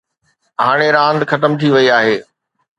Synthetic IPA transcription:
ɦaːɽ̃eɾãːnd̪xɐt̪əmt̪ʰiʋɐiaːɦeː

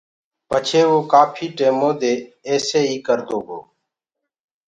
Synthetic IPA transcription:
pət͡ʃʰeːʋoːkaːpʰiːʈeːmoːd̪eːeːseːiːkəɾd̪oːɡo̰ː

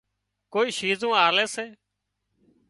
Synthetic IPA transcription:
koːiːʃiːzũːaːleːseː

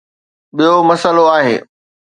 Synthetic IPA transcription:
ɓijomɐsəloaːɦḛː

